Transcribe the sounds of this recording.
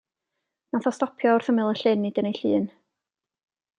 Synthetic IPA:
naθɔstɔpʰjɔʊr̥θəmɪlˠəɬɪnːid̥ənejɬɨːn

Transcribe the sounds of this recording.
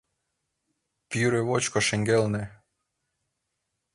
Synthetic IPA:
pyɾeβot͡ɕkoʃĕŋɡelnĕ

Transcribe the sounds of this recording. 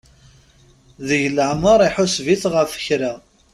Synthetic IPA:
ðəʝləʕməɾˤiħʊsviθʁəfə̥çɾa

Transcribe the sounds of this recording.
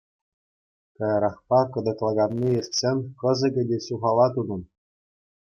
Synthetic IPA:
kɑjɑɾɑχpɑkɤ̆d̪ɤ̆k̪lˠɑɡɑnʲːiĕrʲt̪ʲsʲenʲkɤ̆zɤ̆ɡʲɘ̆dʲeɕuʁɑlˠɑt̪unɤ̆n

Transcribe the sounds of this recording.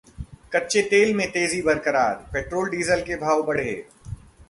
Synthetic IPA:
kɐtːʃet̪eːlmẽt̪eːzibɐɾkəɾaːɾpeːʈɾoːlɖiːzəlkebʱaːʋbɐɽ̤ɦḛː

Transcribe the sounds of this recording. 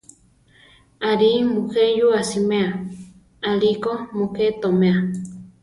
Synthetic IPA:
aɾimukejuasimea | alikomuket̪omea

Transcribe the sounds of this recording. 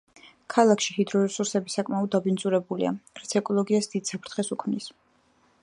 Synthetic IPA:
kʰalˠakʰʃihid̪ɾɔɾɛsuɾsɛbisakʼmaɔd̪ːabint̪sʼuɾɛbulḭa̰ɾat̪sʰɛkʼɔlˠɔɡiasd̪id̪sapʰɾt̪ʰχɛsukʰmnis

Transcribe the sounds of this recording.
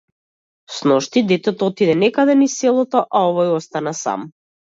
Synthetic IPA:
snɔʃt̪id̪ɛt̪ɛt̪ɔt̪id̪ɛnɛkad̪ɛnisɛlˠɔt̪ɔʔaɔvɔjɔst̪anasa̰m

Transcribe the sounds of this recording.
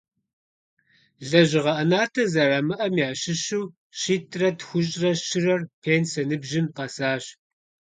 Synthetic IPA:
ɮɐʑɪʁɐʔɐnaːtʰɐzɐrɐmɨʔɐmjaːɕɪɕuː | ɕiːtʰrɐtxʷʊɕʼrɐʃɪrɐrpʰeːnsɐnɨbʒɪmqɐsaːɕ

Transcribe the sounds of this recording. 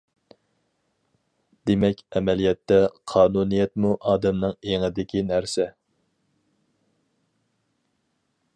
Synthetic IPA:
d̪̥emɛkʲɛmɛlijɛt̪ːɛqʰɑːnunijɛt̪muʔɑːd̪ɛmnɨŋeŋɨd̪ɪkʲinæɾsɛ

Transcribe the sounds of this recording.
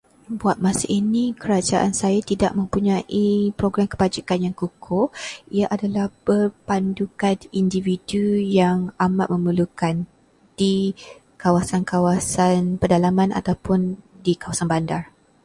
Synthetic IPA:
buat̪̚masaʔinĩkəɾad͡ʒaʔansajat̪idaʔmə̃mpuɲãʔipɾoɡɾamkəbad͡ʒikanjaŋkukʰoiaʔadalahb̥ərpandukanindividujaŋamat̪̚mə̃məlukan | d̥i | kawasankawasanpədalamãna̰t̪awpʊndikawasanbandar

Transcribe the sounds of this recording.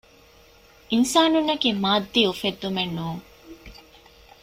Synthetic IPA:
ʔinsaːnunːɐkiːmaːd̪ːiːufed̪ːumenːuːŋ

